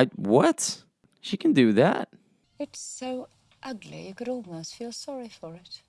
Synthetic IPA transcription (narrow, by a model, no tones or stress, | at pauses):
ɪt̚wʌt | ʃikʰɨ̃n̩dɨðæ̰t̚ | ɨtsoʊ | ʔʌɡlḭjɨkɨɾɔlˠmoʊstfilˠsɑɹifə˞ɪt̚